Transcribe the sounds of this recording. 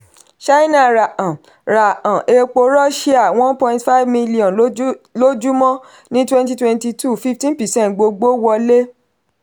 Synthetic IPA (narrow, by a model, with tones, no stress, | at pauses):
ʃa˦i˦nã˦˨ɾa˨ʔã˨ | ɾa˨ã˨ʔe˧k͡po˧ɾɔ˦ʃe˦a˦˨w̃ɔ̃˦npɔ̃˧ĩ˦tfa˦i˦vmĩ˦li˦ɔ̃˨nlo˦d͡ʒu˦mɔ̃˦ | nĩ˦twɛ̃˦nt̬i˧twɛ̃˧nti˧tʰu˦˨fi˦ftĩ˦pɛ˨sɛ̃˦˨ntɡ͡bo˧ɡ͡bo˦wɔ˧le˦